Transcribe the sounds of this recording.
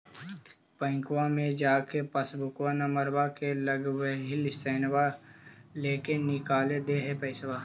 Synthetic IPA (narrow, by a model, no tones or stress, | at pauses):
pə̃ɪ̃ŋkwamẽd͡ʒaːkepəsbʊkwanaməɾbakeləɡwɦilɪsəːnwa | leːkenɪkaːled̪eɦɛpəɪswaː